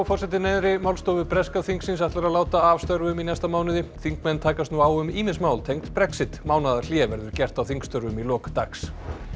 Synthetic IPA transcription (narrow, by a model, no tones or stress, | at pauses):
fɔrsɛt̪̬ɪnɛjðɾɪmawlst̪ɔːvʏpɾɛskaθiŋksɪnsaht̪laɾaðlaːwt̪aavst̪œɾvʏminɛst̪amaːwnɪðɪθiŋkmɛnːt̪ʰaːkast̪nuawʏmiːmɪnsmaːwlt̪ʰejŋkt̪pɾɛksɪt̪maːwnaðaɾl̥jɛːvɛɾðʏɾ̥cɛr̥t̪awθiŋkst̪œɾvʏmilɔːkt̪aks